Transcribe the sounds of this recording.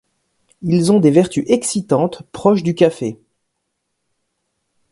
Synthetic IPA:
ilzɔ̃d̪evɛʁt̪yʔɛksit̪ɑ̃t̪pχɔʃd̪ykʲafe

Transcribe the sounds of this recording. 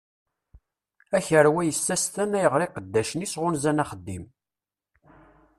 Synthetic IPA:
æçəɾwæjəsːæst̪ænæjəʁɾiqəd̪ːæʃənisʁʊnzænæχəd̪ːḭm

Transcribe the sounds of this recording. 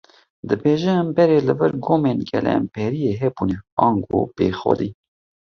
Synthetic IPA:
d̪ɨbeːʒɛɛmbɛɾeːlɨvəɾɡoːmenɡɛlɛ̰mpʰɛɾijeːɦɛbunɛɑːŋɡo̰peːxɔ̰d̪i

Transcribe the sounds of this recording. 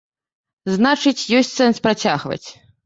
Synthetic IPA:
znat͡ʂɨt͡sʲjɔsʲtʲsɛnspɾat͡sʲaɣvɐ̰t͡sʲ

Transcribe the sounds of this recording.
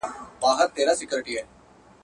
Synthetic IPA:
baːɦəɾt̪eːɾasɪkjoɾɪʈiɦɛː

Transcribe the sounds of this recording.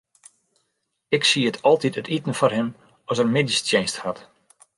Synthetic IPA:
ɪksiətʰɔlˠtitətitən̩fɔrɦɪm | ɔsərmɪdistjensthat

